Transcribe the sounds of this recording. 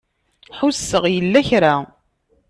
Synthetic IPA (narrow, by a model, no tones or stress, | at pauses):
ħʊsːəʁjəlːæçɾa